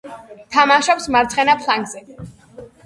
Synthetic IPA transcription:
t̪ʰamaʃɔpsmaɾt̪sʰχɛnapʰlˠaŋɡzɛ

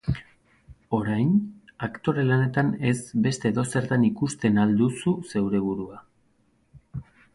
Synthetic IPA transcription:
o̞ɾajnakt̪o̞ɾe̞lane̞t̪ane̞sbe̞st̪e̞ðo̞se̞ɾt̪anikust̪e̞nald̪ususe̞wɾe̞βuɾua

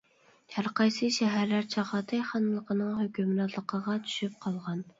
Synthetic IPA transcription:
hæɾqʰɑjsɨʃɛɦæɾlæɾt͡ʃʰɑʁɑt̪ʰɨjχɑnlˠəqənɨŋhøkʲymɾɑt̪ʰlˠəqʰəʁɑt͡ʃ̪ʰy̥ʃyp̚qʰɑlˠʁɑn

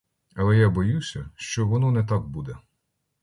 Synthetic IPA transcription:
ɐlˠɛjabɔjusʲɐʃt͡ʃɔʋɔnɔnɛt̪̬ɑk̚bud̪ɛ

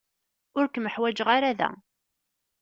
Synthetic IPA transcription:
ʊɾkməħwæd͡ʒəʁaɾaðæ̰

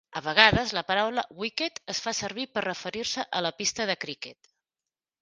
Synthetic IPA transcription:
əβ̞əɣ̞aðəzləpəɾawləwiket̪əsfasəɾβ̞ipərəfəɾiɾsəʔələpist̪əðəkɾikɛt̪

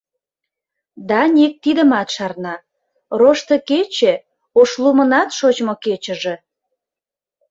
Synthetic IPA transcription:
d̪ɑnʲek̚t̪id̪ə̆mɑt̪ʃɑrnɑ | roʃt̪ə̆ket͡ɕe | oʃlumənɑt̪ʃot͡ɕmoket͡ɕə̆ʒe̽

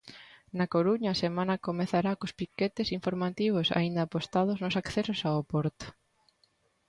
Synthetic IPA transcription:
nakoɾuɲɐːsemãnɐkomeθaɾakospiket̪esiɱfoɾmat̪iβ̞osa̰ind̪ɐaːpost̪aðoznosakθesosaopoɾt̪o̥

